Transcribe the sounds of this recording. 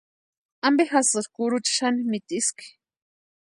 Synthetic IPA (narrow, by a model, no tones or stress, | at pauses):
ambexasɨɾkuɾut͡ʃḁʃanimit̪iski̥